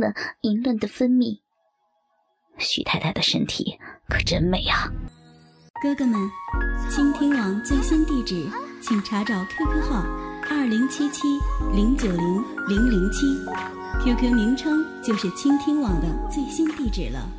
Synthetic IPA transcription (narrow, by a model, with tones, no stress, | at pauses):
lə̰˨i˧˥nlwə˥˩nd̪ə˩fə˥nmi˥˩ | ɕy̰˧˩t̪ʰa˥ɪt̪ʰa˥ɪd̪ə˨ʂə˥nt̪ʰḭ˨˩˦kʰɤ˨˩ʈ͡ʂə˥nme˨˧˩ɪa˨ | kɤ˥ɡə˥˧mə˨˩nt͡ɕʰi˥ŋt̪ʰi˥ŋwɑ˨˩ŋt͡swe˥˩ɪɕi˥nt̪i˥˩ʈ͡ʂɻ̩˨˩˦t͡ɕʰi˨˩ŋʈ͡ʂʰa˧˥ʈ͡ʂɑ˨˩ʊkʰa˥kʰɤ˥xɑ˥˩ʊɐ˞˥˩li˧˥ŋt͡ɕʰi˥t͡ɕʰi˥li˧˥ŋt͡ɕjo˨˩ʊli˧˥ŋli˧˥ŋli˧˥ŋt͡ɕʰi˥ | t̪ʰjo˧˥ʊkʰɤ˧˥mi˧˥ŋʈ͡ʂʰɤ˥ŋt͡ɕjo˥˧ʊʂɻ̩˥˩t͡ɕʰi˥ŋt̪ʰi˥ŋwɑ˨˩ŋd̪ə˧t͡swe˥˩ɪɕi˥nt̪i˥˩ʈ͡ʂɻ̩˨˩lə̰˦